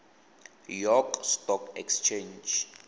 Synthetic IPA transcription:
jɔkstɔkɛkst͡ʃʰẽnd͡ʒ

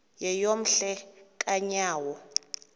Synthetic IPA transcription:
jɛjom̩ɬɛkʼaɲaːwɔ

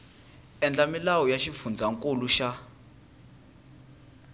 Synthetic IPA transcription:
ɛnd͡ɮamilawɔjaʃifund͡zʱaŋkʼoluʃa

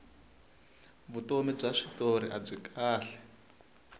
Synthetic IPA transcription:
βutomib͡ʐaʂitoɾiʔab͡ʐikʰʼaːɬɛ̥

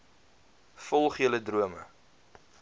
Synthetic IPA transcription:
fɔlˠχiələdruəmə̰

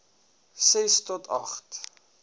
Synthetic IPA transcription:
sɛstɔtʰɐ̰χt

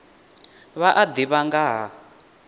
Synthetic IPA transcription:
βaʔad̪iβaŋɡaɦa

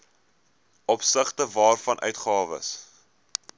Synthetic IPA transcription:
ʔɔpsəχtəvɑːrfɐnʔœ̰ɥtχɑːvə̰s

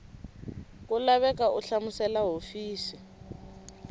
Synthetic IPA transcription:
kulaβɛkauɬamusɛlaɦofiːsi

